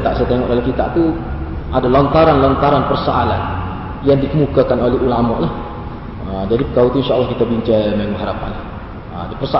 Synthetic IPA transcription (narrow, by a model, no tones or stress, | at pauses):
t̪aʔsajat̪eŋɔ̰ʔdalɛhkit̪a̰ʔt̪uadalɔnt̪aɾanlɔnt̪aɾanpərsoʔalan | jaŋdikəmukakanolɛɦulamɔʔlah | əmd͡ʒadipəkaut̪uinʃaʔlːɔhkit̪abiɲt͡ʃamaŋuɦaɾapa̰nlah | ədipərsa